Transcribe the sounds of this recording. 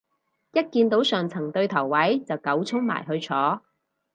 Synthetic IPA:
jɐ˥t̚kiː˧nt̪o˨˥wsœː˨ŋt͡sʰɐ˨˩ŋt̪ɵ˧ɥt̪ʰɐ˨˩wːɐ˨˥jt͡sɐ˨wkɐ˨˥wt͡sʰʊ˥ŋma̰ː˨˩jɦɵ˧ɥt͡sʰɔː˨˥

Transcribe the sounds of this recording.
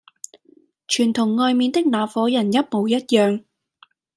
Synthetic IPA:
t͡ʃʰyː˨˩nt̪ʰʊ˨˩ŋːɔː˧jmiː˨˧nt̪ɪ˥k̚naː˨˥fɔː˨˥jɐ˨˩njɐ˥t̚mo˨˧wjɐ˥t̚jœː˨ŋ

